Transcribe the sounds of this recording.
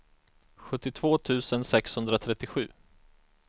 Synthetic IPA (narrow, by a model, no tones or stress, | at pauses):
ɧɵt̪ːɪt̪ʰv̥oːt̪ʰʉ̟ːsənsɛkshɵnd̪ɾat̪ʰɾɛt̪ːɪɧʉ̟ː